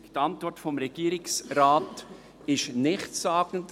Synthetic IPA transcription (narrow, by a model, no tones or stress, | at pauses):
tɑntvɔɾtfɔmɾɛɡ̥iːəɾɪksɾaːt | ɪʃnɪχtsaːɡ̥n̩t